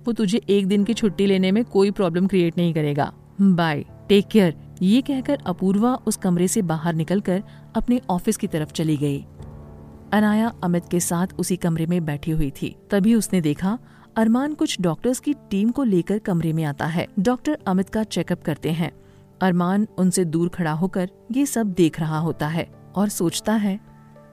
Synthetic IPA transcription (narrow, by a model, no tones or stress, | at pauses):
ʋoːt̪ʊd͡ʒʱeʔeːk̚d̪ɪnkit͡ʃʰʊʈːileːnemẽkoːipɾɔːbləmkɾieːʈnɐɦĩkɐɾeːɡa̰ː | baːi | ʈeːkjəɾ | jeːkɛɦkɐɾɐpuːɾʋaʔʊskɐmɾesebaːɦəɾnɪkəlkɐɾ | ɐpneʔɔːfɪskit̪ɐɾəft͡ʃɐliɡɐḭː | ɐnaːjaɐmɪt̪kesaːt̪ʰʊsikɐmɾemẽbɛːʈʰiɦʊit̪ʰḭːt̪ɐbʱiʊsned̪eːkʰa | ɐɾmaːnkʊt͡ʃʰɖɔːk̚ʈəɾskiʈiːmkoleːkəɾkɐmɾemẽaːt̪a̰ɦɛ̰ːɖɔːk̚ʈəɾɐmɪt̪kat͡ʃɛːkɐp̚kɐɾt̪eɦɛ̃ː | ɐɾmaːnʊnsed̪uːɾkʰɐɽaɦoːkɐɾ | jesɐb̚d̪eːkʰɾɐɦaɦoːt̪aɦɛː | ɔːɾsoːt͡ʃt̪aɦɛː